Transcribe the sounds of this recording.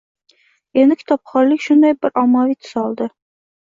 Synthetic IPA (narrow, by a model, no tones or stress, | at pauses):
end̪ɪkʲʰɪ̥t̪ʰɒp̚χɒɾlɪkʲʃʊnd̪ajbɪɾʔɒmːɒvit̪ʰʊ̥sɒlˠd̪ɪ